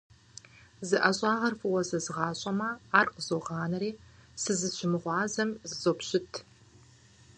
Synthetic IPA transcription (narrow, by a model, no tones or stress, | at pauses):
zɨʔɐɕʼɑːʁɐrfɨwɐzɐzɨʁɑːɕʼɐmɐaːrqəzoʁɑːnɐɾeːsɨzɨɕɪmɨʁʷɑːzɐmzɨzopɕɪtʰ